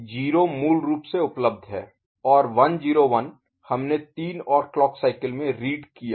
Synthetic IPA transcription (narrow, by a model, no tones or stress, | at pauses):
d͡ʒiːɾomuːlɾuːpseʊpləb̚d̪ʱɦɛ̰ː | ɔːɾʋɐnd͡ʒiːɾoʋən | hɐmnet̪iːnɔːɾklɔːksaːɪkəlmẽɾiːɖkijaː